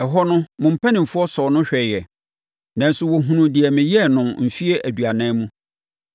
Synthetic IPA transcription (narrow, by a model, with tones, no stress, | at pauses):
ɛ˨ɦɔ˦nʊ̃˦mʊ̃˨m̩˨pʰæ˦nɪ̃˨m̩˨fʊ˦ɔ˦sɔ˨nʊ̃˦ɕᶣɛ˨jɛ˨ | nã˨n̩˦sʊ˦wɔ˨ɦũ˨nũ˨dɪ˨ɛ˨mɪ̃˨jɛ˦nʊ̃˨mm̩˨fi˦e˦ʔæ˨dɥa˨nãː˦mũ˦